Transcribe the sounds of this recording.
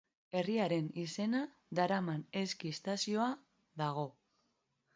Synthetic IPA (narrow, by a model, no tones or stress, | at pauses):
e̞riaɾe̞nise̞na | d̪aɾamane̞skiest̪asio̞a | ðaɣ̞o̞